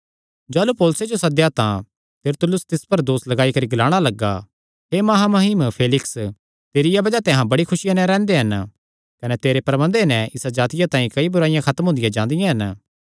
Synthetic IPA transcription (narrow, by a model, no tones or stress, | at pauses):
d͡ʒaːlupoːlʊsed͡ʒosɐd̪jat̪ã | t̪ɐɾt̪ʰʊlʊst̪ɪspɐɾd̪oːslɐɡaːikɐɾiɡɪlaːɽ̃alɐɡːa | ɦemɐɦamɐɦɪmpʰeːlɪks | t̪eːɾɪjabɐd͡ʒat̪eɦãbɐɽikʰʊʃɪjãnɛ̃ɾɛ̃ːnd̪eɦɐn | kɐnet̪eːɾepɾɐbə̃nd̪enɛ̃ʔɪsad͡ʒaːt̪ɪjat̪ãːĩkɐibʊɾaːɪijãkʰɐt̪əmɦʊ̃nd̪ɪjãd͡ʒãːnd̪ɪjãɦɐn